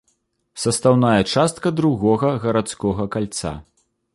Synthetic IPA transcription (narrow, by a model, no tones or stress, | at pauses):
sɐst̪awnajɐt͡ʂast̪kɐd̪ɾuɣɔɣɐɣɐɾat̪skɔɣɐkalʲt̪sa̰